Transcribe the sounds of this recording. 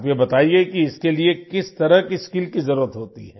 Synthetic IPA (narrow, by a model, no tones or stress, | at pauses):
pjebɐt̪aːiekiɪskeliekɪst̪ɐɾəɦkiskiːlkizɐɾuːɾət̪ɦoːt̪ḭɦɛː